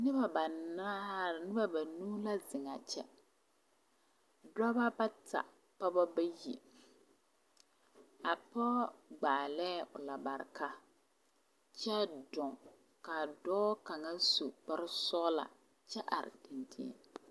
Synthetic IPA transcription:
nɪ˦ba˨ba˨a˦nɪ˦ba˦ba˨nuː˦la˦zɪ˨ŋa̰˨t͡ʃɛ̰˦ | da˦ba˦ba˦ta̰˨ | pa˦ba˦ba˦ji˨ | a˨pɔ˦ɡ͡baː˨lɛː˦ʊ̰˨la˨ba˨ɾɪ̰˨ka˦ | t͡ʃɛ˦dʊ˨ŋ | ka˨dɔː˦ka˨ŋa˦so˨k͡pa˦ɾɪ˦sɔ˦ʔla̰˨ | t͡ʃɛ˦ʔa̰˨ɾɪ̰˨dɪ˨ndɪ̰˦

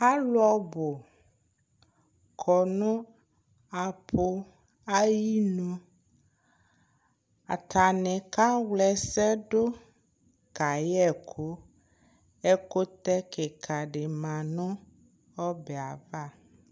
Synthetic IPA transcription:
a˦lʊ˦ɔ˦bo˨ | kʰɔ˨nũ˦ | a˨pʰo˦ | a˦ji˦nũ˦ | a̰˨ta˨nɛ̃˨ka˦wlɛ˨sɛ˦ɖo˦ | ka˨jɛ˦kʰo˦ | ɛ˦ko˦t̪ɛ˦ke˨kʰa˨ɖe˨mã˨nɔ̃˦ | ɔ˦bɛ˨a˨va˦˨

